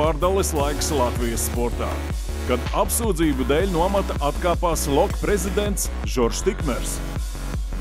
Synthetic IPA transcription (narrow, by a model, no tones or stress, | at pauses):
aɾd̪alˠislˠajkslˠat̪vʲijəsːpɔɾt̪a̰ː | kad̪apsuːd̪ziːbud̪ɛːlʲnuɔmat̪aʔat̪kaːpaːslˠɔkpɾezid̪ent̪s | ʒɔɾʃt̪ikmɛɾs